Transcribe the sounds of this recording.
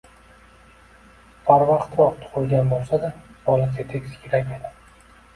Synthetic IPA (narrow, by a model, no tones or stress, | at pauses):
bʰaɾvɑqt̪ɒp̚t̪ʰʊ̥ʁʊlˠɡʲanbolˠsad̪ab̥ɒlˠat̪ʰet̪ʰekʲsɪ̥kʲʰeɾakʲed̪ɪ